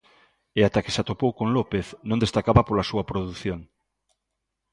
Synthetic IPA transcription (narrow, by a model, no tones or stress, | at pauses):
eat̪ake̥sat̪opowkõŋlopeθnõnd̪est̪akaβɐpolasuɐpɾoðuθjoŋ